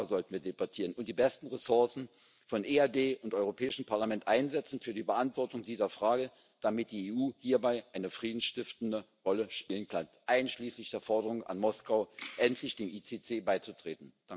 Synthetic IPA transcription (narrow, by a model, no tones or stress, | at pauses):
zɔltn̩viːɐdebatʰiːʁənʊntd̥iːbɛstn̩ʁɛsʊɐsn̩ | fɔnʔeːadeːʔʊntʔɔʏʁopʰɛːɪʃn̩pʰaɐlamɛntʔaɪnzɛt͡sn̩fyːɐdiːbəʔantv̥ɔɐtʊŋdiːzɐfʁ̥aːɡə | d̥amɪt̚d̥iːeːʔuːhiːɐbaɪʔaɪnəfʁ̥iːdn̩sʃtɪftn̩də | ʁɔləʃpiːlənkʰanʔaɪnʃliːslɪçd̥eːɐfɔɐdəʁʊŋəʔa̰nmɔskaʊʔɛntʰlɪçd̥eːmʔiːt͡seːt͡seːbaɪt͡sutʁ̥eːtn̩̥aŋ